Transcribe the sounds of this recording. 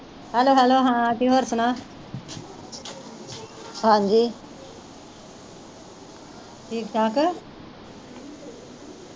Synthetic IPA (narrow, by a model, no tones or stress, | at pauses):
hɛloːɦɛloːɦãːt̪iɦoɾsʊna | hãːnd͡ʒiː | ʈʰiːkt̪ʰaːk